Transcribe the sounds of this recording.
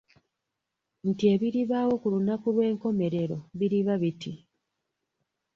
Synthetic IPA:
ntie̞βiɾiβaːwo̞kulunakulwe̞ːŋko̞me̞ɾe̞ɾo̞βiɾiβaβiti

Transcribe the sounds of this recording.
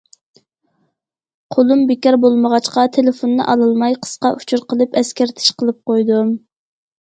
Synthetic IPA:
qʰolˠumbɪkʲɑɾbolˠməʁɑt͡ʃqɑt̪ʰelɪfonːɨ̰ʔɑlˠɨlˠmɑjqʰə̥sqɑʔu̥t͡ʃʰuɾqʰəlˠɨpɛskʲæɾt̪ʰɪ̥ʃqəlˠɨp̚qojd̪u

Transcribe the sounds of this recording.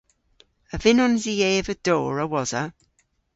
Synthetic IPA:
əvɪnɔnzieːvəd̥oːɹəwɔz̥ə

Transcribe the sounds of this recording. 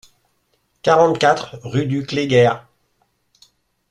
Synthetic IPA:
kaʁɑ̃t̪kat̪χʁyd̪ykleɡʲɛʁ

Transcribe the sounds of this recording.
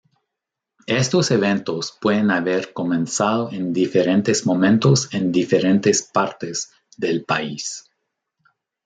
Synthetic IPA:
est̪oseβent̪ospweðenaβeɾko̞mẽnsaðoʔend̪ifeɾent̪ezmomẽnt̪osend̪ifeɾent̪espaɾt̪ez | ðelpais

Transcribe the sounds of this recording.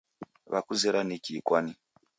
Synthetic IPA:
ʋa̰kuzeɾanekikwani

